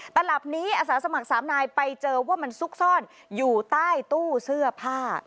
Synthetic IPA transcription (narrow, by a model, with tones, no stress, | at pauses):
t̪a˧nla˨˩p̚niː˦˥ʔaː˧saː˩˦sa˧ma˨˩k̚saː˩˦mnaː˧jpa˧jt͡ɕɤː˧waː˥˩ma˧nsu˦˥k̚sɔː˥˩n | juː˨˩t̪aː˥˩jt̪uː˥˩sɯ˥˩ɐpʰaː˥˩t̪̚